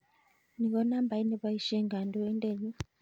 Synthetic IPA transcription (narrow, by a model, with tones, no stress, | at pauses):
ni˨kɔ˦na˦mba˨i˦nɛ˨βa˦i˦ʃɛ˦ŋɡa˨ndɔ˦wɛ˦ndɛ˦˨ɲi˦